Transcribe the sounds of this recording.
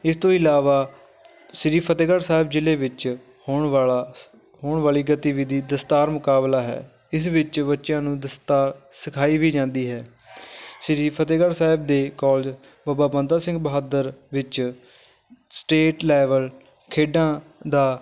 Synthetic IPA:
ɪst̪õːɪlaːʋaː | ʃɪɾiːpʰət̪eːɡəɽsaːɦɪbd͡ʒɪleːʋɪt͡ʃ | hoːɳaa | ɦoːɳʋaːliːɡət̪iːʋid̪iːd̪əst̪aːɾmʊkaːblaːɦɛ̰ː | ɪs̬ʋɪt͡ʃbətːʃjãːnũːd̪əst̪aːɾsəkʰaːiːʋiːd͡ʒãːnd̪iːɦɛː | ʃɪɾiːpʰət̪eːɡəɽsaːɦɪbd̪eːkɔːld͡ʒ | baːbaːbənd̪aːsɪ̃ŋɡbəɦaːd̪əɾʋɪt͡ʃ | sʈeːʈlɛːʋəl | kʰeːɖãːd̪aː

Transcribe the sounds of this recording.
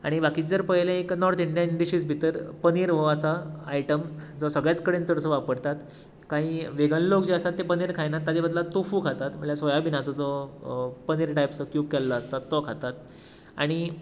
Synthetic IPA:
a̰ɽ̃ibakiːd͡zəɾpəɦjlẽeknɔɾt̪iɳɖijənɖiɕiːsbʱit̪əɾpəniːɾʋoəsaːiʈəmd͡zɔsəɡɭjat͡skəɽẽnt͡səɽəsəʋapəɽt̪at̪ | kaɦĩːʋeɡənlokd͡ʑiasat̪ːepəniːɾkʰajnat̪ːad̪ebəd̪lat̪ofuːkʰat̪at̪məɳljasʋɔjabinat͡səd͡zɔ | pəniːɾʈajpsəkjuːb̚kɛlːaːst̪at̪ːɔkʰat̪at̪ | a̰ɽ̃i

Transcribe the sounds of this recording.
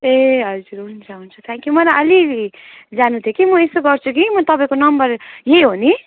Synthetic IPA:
eɦʌd͡zuɾɦunt͡sʰaɦunt͡sʰʌt̪ʰãŋkjumʌɾaʔʌli | d͡zanũt̪ʰjokimʌesoɡʌrt͡sʰukimʌt̪ʌpaĩkonʌmbʌɾjeɦoni

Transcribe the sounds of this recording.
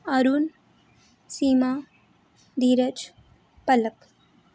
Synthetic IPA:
ɐɾuːn | siːma | d̪iːɾət͡ʃ | pɐlək

